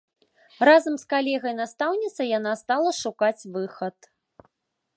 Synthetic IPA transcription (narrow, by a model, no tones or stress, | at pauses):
razɐmskalʲɛɣɐjnast̪awnʲit̪sɐjan̪ast̪alˠɐʂukat͡sʲvɨxɐt̪